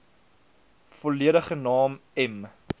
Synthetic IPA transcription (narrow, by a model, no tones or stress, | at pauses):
fɔliəɾəχənɑːmɛm